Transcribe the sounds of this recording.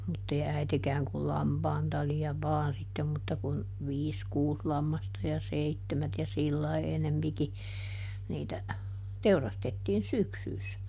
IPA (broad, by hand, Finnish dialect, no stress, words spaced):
mutːei æitekæːŋ kul lɑmpɑːn tɑliɑ ʋɑːn sitːem mutːɑ kun ʋiːs kuːs lɑmːɑstɑ jɑ seitːemæt jɑ silːɑi enempiki niːtæ teurɑstetːiːn syksyːs